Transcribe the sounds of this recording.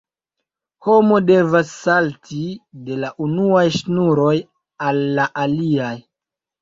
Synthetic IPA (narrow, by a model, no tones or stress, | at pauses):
ho̞mo̞de̞vasːaltʰide̞laʔunuajʃnuɾo̞j | alːaʔaliaj